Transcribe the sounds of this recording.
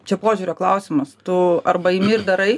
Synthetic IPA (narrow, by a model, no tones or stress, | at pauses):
t͡ʃʲɛpoːʒʲuːɾʲoːklˠɐʊsʲɪmɐst̪ʊɐɾbɐɪmʲɪːrd̪ɐɾɐɪ